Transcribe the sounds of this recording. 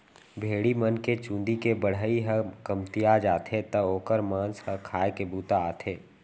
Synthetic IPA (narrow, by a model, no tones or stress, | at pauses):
bʱeːɽimənket͡ʃũːnd̪ikebəɽ̤əiɦəkɐmt̪ijad͡ʒaːt̪ʰet̪əoːkəɾmãːnshə̃kʰaːekebuːt̪aaːt̪ʰeː